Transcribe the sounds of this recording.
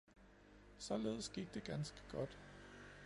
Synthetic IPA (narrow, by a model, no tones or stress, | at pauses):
sɒ̽le̝ːð̞ˠəsɡ̥iɡ̥̚d̥e̝ɡ̥ænsɡ̥ə̥ɡ̥ɒ̽d̥